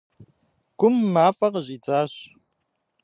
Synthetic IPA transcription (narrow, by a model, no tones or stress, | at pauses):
ɡʷʊmːaːfɐqəʑiːt͡sʼaːɕ